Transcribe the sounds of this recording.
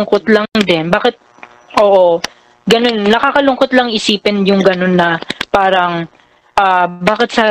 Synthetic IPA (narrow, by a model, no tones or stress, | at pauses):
ŋkot̪lɐd̪ɛnbaːkɪt̪̚ | ʔoːʔo̞ | ɡɐno̞nːɐkakɐlʊŋkot̪lɐŋɪsiːpɪnjʊŋɡɐno̞nːɐpaːɾɐŋ | ʔaːbaːkɪt̪sɐ